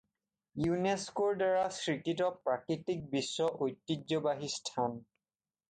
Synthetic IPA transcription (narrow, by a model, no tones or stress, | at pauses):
juneskoɹdaɹasɹikitɔpɹakɹitik̚bisːɔʔojtːid͡ʒːɔbaɦistʰan